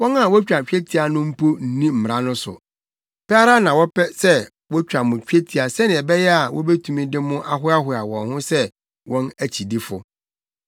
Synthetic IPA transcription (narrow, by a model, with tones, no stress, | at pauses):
wɔ̃˦na˦˨wɔ˦t͡ɕᶣa˨t͡ɕᶣɛ˦tʰi˨a˨nʊ̃˦m̩˦pʰo˦n̩˦nĩ˦m̩˨m˨ɾã˦nʊ̃˦sʊ̰˨ | pʰɛ˦a˦ɾa˦nã˨wɔ˦pɛ˦sɛ˦ | wɔ˦t͡ɕᶣa˨mʊ̃˨t͡ɕᶣe˦tʰi˨a˨sɛ˦nɪ̃˨ɛ˨bɛ˦jɛ˦a˨wʔɔ̰˦bɛ˦tʰũ˨mĩ˦dɪ˦mʊ̃˦ʔa˦ɦʊ˦a˦hʊ˨a˨wɔ̰̃˨nhʊ̃˦sɛ˦ | wɔ̃˦næ˦˨t͡ɕʰi˨di˦fʊ̰˨